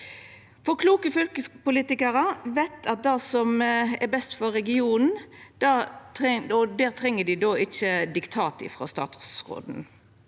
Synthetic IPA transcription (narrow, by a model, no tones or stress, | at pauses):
fɔɾkʰluːkəfœlkəspʊliːt̪ɪkɑɾəʋæɪt̪ʰɑt̪̚d̪ɑːsɔmɛʁbɛst̪fɔɾɛɡɪuːnn̩d̪̥ɑt̪ʰɛɔd̪æːʁt̪ʰɾɛŋːəd̪ɪd̪oːɪçːəd̪ɪkt̪ʰɑːt̪ɪ̰fɾɔ̰st̪ɑ̰ːt̪ʰsʁo̰ːd̪n̩